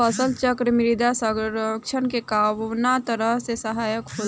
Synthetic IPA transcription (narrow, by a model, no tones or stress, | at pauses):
əsəlt͡ʃəkɾəmɪɾid̪asəɾkt͡ʃʰənkekawnat̪əɾəɦsesəɦaːjəkɦo